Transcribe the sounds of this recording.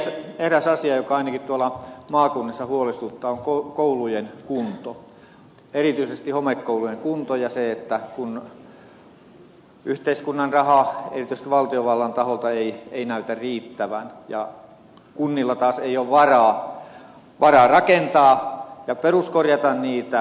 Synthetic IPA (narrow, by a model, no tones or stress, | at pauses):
sehræsɑsiɑjokɑɑinɑkit̪t̪uolɑmɑːkunːisːɑhuolest̪ut̪ːɑːoŋkokoulujenkunt̪o | erit̪yisest̪ihomekːoulujeŋkunt̪ojɑseet̪ːækun | yht̪eiskunːɑnrɑhɑḛrit̪yst̪ʋɑlt̪ioʋɑlːɑnt̪ɑholt̪ɑeieinæyt̪æriːt̪ːæʋæ̰njɑ̰ | kunːilːɑt̪ɑːseioːʋʋɑrɑː | ʋɑrɑrɑkent̪ɑːjɑperuskorjɑt̪ɑnniːt̪æ